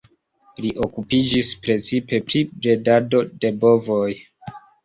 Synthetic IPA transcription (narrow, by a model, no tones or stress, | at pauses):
liʔo̞kupid͡ʒispɾe̞t͡sipe̞pɾibɾe̞dado̞de̞bo̞vo̞j